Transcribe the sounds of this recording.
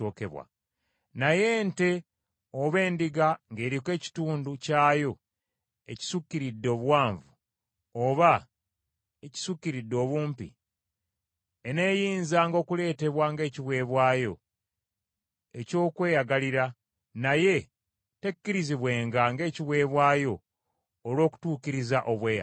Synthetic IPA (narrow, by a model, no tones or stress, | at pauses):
oːkḛβwa̰ | naje̞nte̞ | oβe̞ːndiɡaŋɡe̞ːɾikwe̞ːci̥tuːnducaːjo̞ | e̞̰ci̥sukːiɾidːo̞ːβwaːɱvu | oβa | eci̥sukːiɾidːo̞ːβuːmpḭ | ene̞ːjiːnzaːŋɡo̞ːkule̞ːte̞βwaŋɡe̞ːciβwe̞ːβwaːjo̞̰ | e̞co̞ːkwe̞ːjaɡaliɾa | naje̞ | te̞kːiɾiziβwe̞ːŋɡaŋɡe̞ːciβwe̞ːβwaːjo̞ː | lwo̞ːku̥tuːkiɾizaʔo̞βweːja̰